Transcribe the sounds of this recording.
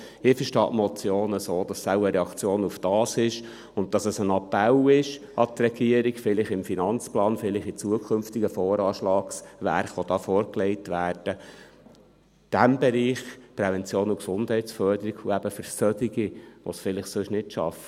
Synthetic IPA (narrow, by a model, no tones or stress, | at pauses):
ɪfəɾʃtɑ̰ːʔmɔt͡sjoːnəsoːd̥ɑsːæʊəɾɛɑkt͡sjoːnufd̥ɑːsɪʃ | ʊnt̚tɑsəsənɑpːɛlɪʃ | ɑtrɛɡ̥iəɾiɡfɪlɪχɪmfinɑnt͡splɑːnfɪlɪχɪt͡suəkʰʏmftiɡəfɔːɾɑːʃlɑːksʋæ̰ɾχʋɔd̥ɑːfɔːɾklɛɪtʋæːɾd̥ə | d̥æmbɛɾiːχpɾɛvɛnt͡sjoːnuksʊnd̥hɛɪtsfœrd̥əɾiɡuæb̥əfəɾsœdiɡiʋɔ̰sfɪlɪχsʊʃnɪtʃɑ̰fə